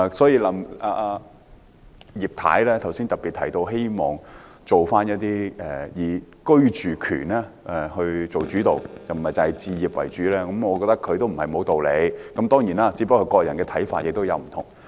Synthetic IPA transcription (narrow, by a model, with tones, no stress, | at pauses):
sɔː˨˥jiː˧lɐ˨˥maː˧ | jiː˨˩p̚t̪ʰa̰ː˨˥jlɛː˥t̪ʰɐ˨˩wsiː˥nt̪ɐ˨˩pːiː˨t̪ʰɐ̰˨˩jt̪o˧wɦe˥jmɔ̰ː˨ŋ | t͡so˨wfaː˥njɐ˥t̚t̪iː˥ɛː˨˩jiː˨˧kɵ˥ɥt͡ʃyː˨kʰy̰ː˨˩nɛː˥ɛ˨˩hɵ˧t͡so˨wt͡ʃyː˨˥t̪o˨wt͡sɐ˨m̩˨hɐ˨˩jt͡sɐ˨˩hɐ˨jt͡siː˧jiː˨˩p̚wɐ̰˨˩jt͡ʃyː˨˥lɛː˥kɐ˨˦mŋɔː˨˧kɔː˧t̪ɐ˥kʰːɵ˨˧ɥt̪o˥wm̩˨˩ɐ˨˩jmo˨˧wt̪o˨wle˨˧jkɐ˨˥mt̪ɔː˥ŋjiː˨˩naː˧˥t͡si˨˧˥p̬ɐ˥kʰːɵ˧kɔː˧jɐ˨˩nkɛː˧t̪ʰɐ˨˥jfa̰ː˧˨t̚jɪ˨k̚t̪wjɐ˨˧wm̩˨˩t̪ʰʊ˨˩ŋ